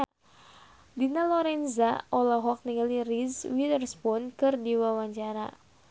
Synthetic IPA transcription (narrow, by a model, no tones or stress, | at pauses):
dinalɔɾɛnzaʔɔlaɦɔk̚niŋlirizwilərspunkɨrdiwawaɲt͡ʃaɾa̰